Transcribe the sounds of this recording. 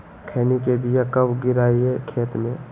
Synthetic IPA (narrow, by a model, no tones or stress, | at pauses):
kʰɛːnikebʱijakɐbɡɪɾaːiɦɛkʰeːt̪mẽː